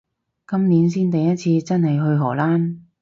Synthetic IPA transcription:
kɐ˥mniː˨˥ns̬iː˥nt̪ɐ˨jɐ˥t̚t͡sʰiː˧t͡sɐ˥nhɐ˨jɦɵ˧ɥɦɔː˨˩laː˥n

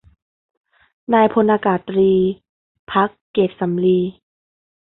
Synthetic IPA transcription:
naː˧jpʰo˧nʔaː˧kaː˨˩t̪̚ːɾiː˧ | pʰa˦˥kːeː˨˩t̪̚sa˩˦mliː˧

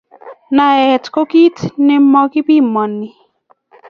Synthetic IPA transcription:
na˨ɛ˨tko˦ki˦tnɛ˦mɔ˦ki˦pi˦mɔ˨nːi˨

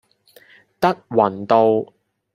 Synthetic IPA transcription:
t̪ɐ˥k̚wɐ˨˩nt̪o˧w

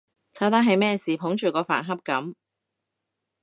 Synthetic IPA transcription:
t͡sʰɐ˨˥wt̪aː˥ɦɐ˨˧jmɛː˥˩siː˨pʰʊ˨˥ŋt͡ʃyː˨˩kɔː˧fa̰ː˨˩nɦɐ˥p̚kɐ˨˥m

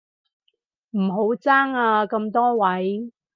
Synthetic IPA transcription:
m̩˨˩ɦo˨˥wt͡saː˥ŋaː˧kɐ˧mt̪ɔː˥wɐ˨˥j

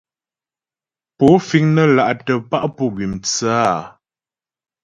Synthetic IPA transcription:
po˨˦fi˨˦ŋnə˦la˨ʔtə˨pa˦ʔpu˦ɡɥi˨mt͡sə˦a˦˨

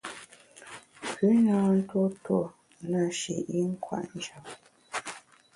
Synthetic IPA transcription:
kʉ˨˦na˦n̩˦two˦two˨ | na˨ʃḭ˨ʔi˦ŋ̩˦kwa̰˦ʔn̩˦d͡ʒa˨p̚

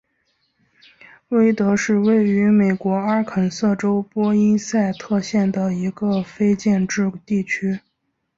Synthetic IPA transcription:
we˥ɪt̪ɤ˧˥ʂɻ̩˥˧we˥˩ɪy˧˥me˨˩ɪkwɔ˧˥a˥kʰə˨˩nsɤ˥˩ʈ͡ʂo˥ʊpwɔ˥i˥nsa˥˧ɪt̪ʰɤ˥˧ɕjɛ˥˩nd̪ə˩i˧˥ɡə˧fe˥ɪt͡ɕjɛ˥˧nʈ͡ʂɻ̩˥˧t̪i˥˩t͡ɕʰy˥

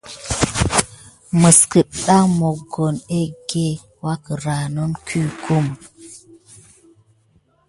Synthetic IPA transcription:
mə˨skə˨ɗa˦ŋmo˨ɡo˨ne˦ɡe˦ | wa˦kə˨ɾa˨no˦nkʰu˦kʰu˦m

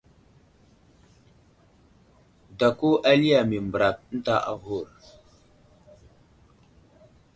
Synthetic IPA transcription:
da˨ku˦ʔa˦li˦a˨mi˨mbɾa˨p̚n̩˦ta˦˨ʔa̰˦ɦu˦˨ɾ

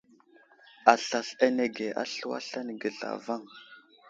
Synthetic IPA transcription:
a˨ɬa˨ɬa˦ne˨ɡe˨ʔa̰˦ɬu˦wa̰˦ɬa˦n˨ɡə˨ɮa̰˨va˦ŋ

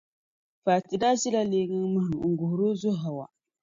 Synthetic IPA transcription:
fa˨ti˨da˦zi˦la˦leː˦ŋɨ˦ŋmɨ˦hɨ˨ŋ̩˨ɡʊ˨hʊ˨ɾo˦zʊ˦ɦa˨wa̰˨

